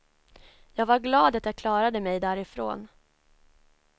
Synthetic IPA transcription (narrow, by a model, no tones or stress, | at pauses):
jɑːɡvaɾɡlɑːd̪at̪jakʰlɑːɾad̪əmɛjd̪æːɾɪfɾo̰ːn